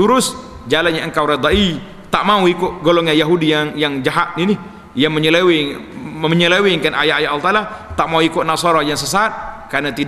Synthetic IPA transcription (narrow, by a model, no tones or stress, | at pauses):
t̪uɾʊsd͡ʒalanɲaəŋkawɾed̪aʔi | t̪aʔmauikʊʔɡolɔŋajaɦudijaŋjaŋd͡ʒaɦat̪̚ninɪ | jaŋməɲəlewɪməɲəlewɪŋkanajaajaʔalt̪alat̪aʔmauikʊʔnasɔɾɔjaŋsəsat̪̚karnat̪id